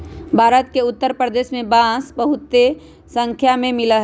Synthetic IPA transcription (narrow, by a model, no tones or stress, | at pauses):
bʱaːɾət̪̚keʊt̪ːəɾpɾəd̪eːʃmẽbãːsbəɦʊt̪ːe | sə̃ŋkʰjamẽmɪləɦ